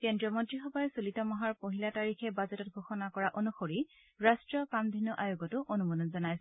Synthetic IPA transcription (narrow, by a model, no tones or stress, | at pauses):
kendɹɔmɔdɹixɔbajɛsulitɔmɔɦaɹpoɦilataɹixɛbazɔtɔt̚ɡʱoxɔnakɔɹaʔonuxoɹi | ɹastɹɔpamd̪ʱinːɔʔajʊɡɔtʊʔonumɔnɔnzɔnajs